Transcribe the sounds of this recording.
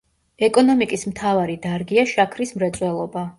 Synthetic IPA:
ɛkʼɔnɔmikʼismt̪ʰavaɾid̪aɾɡiaʃakʰɾismɾɛt̪sʼwɛlˠɔba

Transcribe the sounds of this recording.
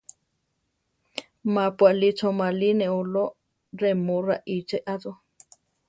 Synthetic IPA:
mapwaʔlit͡sʰomalineolo | remoraʔit͡ʃeʔaðo

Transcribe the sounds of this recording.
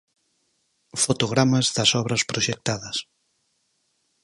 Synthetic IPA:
fot̪oɣɾamɐzðɐsɔβɾɐspɾoʃek̚t̪aðɐs

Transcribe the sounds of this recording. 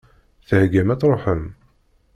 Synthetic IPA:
θəhɡæmæt͡sɾˤoħəm

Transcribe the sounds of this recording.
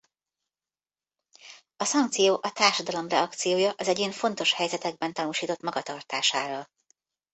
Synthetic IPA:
ɒsɒŋk̚t̪sijoːʔɒt̪aːrʃɒd̪ɒlo̞mrɛɒkt̪sijoːjɒʔɒzɛɟeːɱfo̞n̪t̪o̞ʃhɛjzɛt̪ɛɡ̚bɛnt̪ɒnuːʃiːt̪o̞t̪mɒɡɒt̪ɒrt̪aːʃaːɾɒl

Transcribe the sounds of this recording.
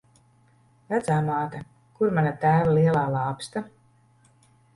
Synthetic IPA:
væd̪zaːmaːt̪a | kuɾmanat̪æːvaliɛlˠaːlˠɑːpst̪a

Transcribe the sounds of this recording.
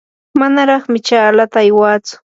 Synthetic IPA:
manaɾɑχmɪt͡ʃaːlat̪aːjwaːt͡sʊ̥

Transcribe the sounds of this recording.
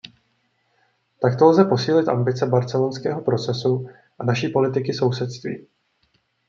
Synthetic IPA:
t̪akt̪o̞lzɛpo̞siːlɪt̪ʔa̰mbɪt͡sɛbaɾt͡sɛlonskɛːɦo̞pɾo̞t͡sɛsu | ʔanaʃiːpo̞lɪt̪ɪkɪso̞wsɛt̪st̪vḭː

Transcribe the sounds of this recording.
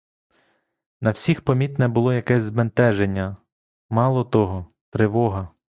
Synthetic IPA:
nɐwsʲixpɔmʲit̪nɛbʊlˠɔjɐkɛsʲzbent̪ɛʒenʲːɐ | mɑlˠɔt̪ɔɦɔ | t̪ɾɪʋɔɦɐ

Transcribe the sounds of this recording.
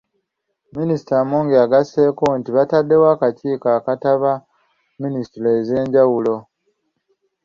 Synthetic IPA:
minisi̥tamoːŋɡeaɡase̞ːkontiβatadːe̞waːkaciːkaːkataβa | ministiloːze̞ːɲɟawulo̞

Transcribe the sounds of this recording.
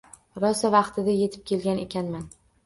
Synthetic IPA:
ɾɒsavɑqt̪ʰɪd̪aje̞t̪ʰɪ̥p̚kʲe̞lɡʲane̞kʲʰanman

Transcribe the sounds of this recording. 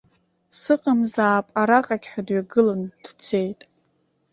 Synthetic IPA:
sɨqʼamzaːpʼaɾaqʼaɡʲħʷᶣadɥaɡɨland̥t͡sʷʰe̞jtʼ

